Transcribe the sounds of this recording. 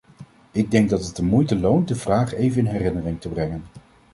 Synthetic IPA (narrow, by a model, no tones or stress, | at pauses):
ɪɡ̚dɛŋɡ̚dɑtɦət̚dəmujtəlownt̚dəvraːχejvənɪnɦɛrɪnərɪŋtəbrɛŋən